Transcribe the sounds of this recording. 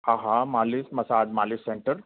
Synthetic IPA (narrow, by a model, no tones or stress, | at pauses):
aɦamaːlismɐsaːɖmalisːeɳʈəɾ